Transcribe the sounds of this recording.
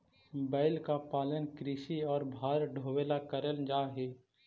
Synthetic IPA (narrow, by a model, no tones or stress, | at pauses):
bəːɪlkapaːlənkɾiːʃiɔːɾbʱaːɾɖʱoːʋeːlakəɾəld͡ʒaːɦeː